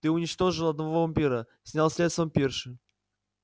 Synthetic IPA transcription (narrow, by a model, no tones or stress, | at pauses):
t̪ɨʊnʲɪt͡ɕt̪o̞ʐɨlˠɐd̪̚nɐvovɐmʲpʲiɾə | sʲnʲalˠsʲlʲe̞t̪st̪vəmpʲerʂɨ